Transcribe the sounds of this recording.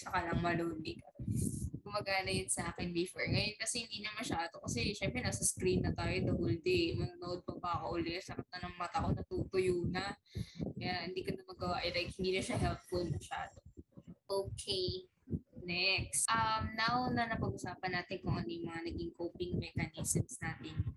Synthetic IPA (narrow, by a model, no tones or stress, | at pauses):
sɐkalɐŋmɐloːnɪkɐkʊmbɐɡanɐjʊnsɐʔaːkɛnbɪfɛɹŋɐjonkɐsɛhɪnd̪iːnɐmɐʃaːd̪o̞kɐsɛʃɛmpɾɛnaːsɐskɾinːɐt̪aːjod̪ɐhold̪emɐnoːnʊʔod̪̚pɐbɐɐkɐʔʊlɛt̪sɐpɐp̚nɐnɐŋmɐt̪ɐkonɐt̪ut̪ojuːnɐkɐjahɪnd̪iːkonɐmɐɡɐwaʔɐjlajkhɪnd̪iːnɐʃɐɦɛlp̪̚folmɐʃa̰ːd̪oʔoːkʰej | nɛksʔɐmnawnɐnɐpɐɡ̚ʊsaːpɐnaːt̪ɪnkʊŋʔɐnojʊŋmɐŋanɐɡɪŋkoːpɪŋmɛkɐnisɛmsnaːt̪ɪn